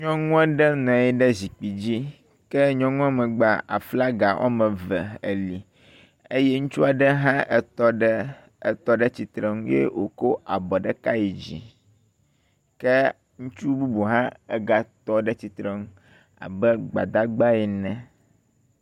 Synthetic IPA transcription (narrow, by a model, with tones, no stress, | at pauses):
ɲɔ̃˦ŋũ˦ɛ˦ɖɛ˦nɛ̃˨ɛ˦ɖɛ˦zi˨k͡pi˨d͡ʑi˦ | kɛ˦ɲɔ̃˦ŋũ˦a˦mɛ̃˨ɡ͡ba˨a̰˨fla˦ɡa˨ʔɔ̰˦mɛ̃˨vɛ˨ḛ˨li˨ | e˦jɛ˦ŋũ˦t͡ʃu˦a˨ɖɛ˦ɦã˦ʔɛ˨t̪ɔ˦ɖɛ˦ | ɛ˨t̪ɔ˦ɖɛ˦t͡ɕi˨t̪ɾɛ˦ŋũ˦jḛ˦wo˨ko˦ʔa˨bɔ˨ɖɛ˦ka˦ji˨d͡ʑḭ˨ | kɛ˦ | ŋũ˦t͡ʃu˦bu˦bu˨ɦã˦ɛ˨ɡa˨t̪ɔ˦ɖɛ˦t͡ɕi˨t̪ɾɛ˦ŋũ˦ | a̰˨bɛ˦ɡ͡ba̰˨d̪a˦ɡ͡ba˦ɛ˨nɛ̃˦˨